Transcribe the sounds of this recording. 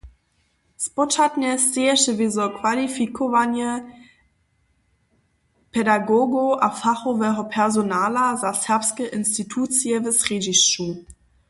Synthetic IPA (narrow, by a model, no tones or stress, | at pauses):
spɔt͡ʃatɲɛst͡seɛʃəvezɔkvalifikʰovanjɛ | pʰɛdaɡoɡoʔafaxɔvɛɦɔpʰɛʁzonaːlazasɛɐpskəʔɪnstitʰuːt͡siɛvɛsʁed͡ʒiʃu